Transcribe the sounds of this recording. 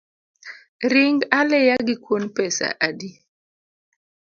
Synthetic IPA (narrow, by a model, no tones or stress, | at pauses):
ɾiŋɡalɛjaɡikwonpɛsa̰ʔadi